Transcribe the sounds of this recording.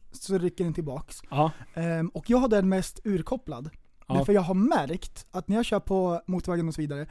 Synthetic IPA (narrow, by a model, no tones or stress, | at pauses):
sɔɾʏkːəɖɛnt̪ʰɪlbɑːks | ɔkːjɑːɡɦad̪ɛmɛst̪ʉ̟ːɾkʰɔpːla̰d̪ | æfœɾjɑːɡɦaɾmæɾkt̪at̪næɾjaɕœːpʰɔmuːt̪vɛːɡnɔsɔviːd̪aɾə